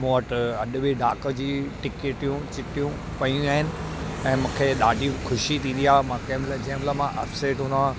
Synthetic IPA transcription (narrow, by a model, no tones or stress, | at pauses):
moːəʈɐɗʊ̆bɪɖʱaːkəd͡ʑiːʈɪkeːʈjũt͡ɕɪʈijũ | pɐijũaːɦɪnɪ̆ | ɛ̃ːmũːkʰeɗaːɖʱixʰʊʃit̪ʰĩnd̪iaːmãkɛːmlad͡ʑemlamãʔɐfseːʈʊnã